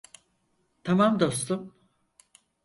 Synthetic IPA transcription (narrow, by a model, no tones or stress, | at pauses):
t̪ʰamamd̪o̞st̪um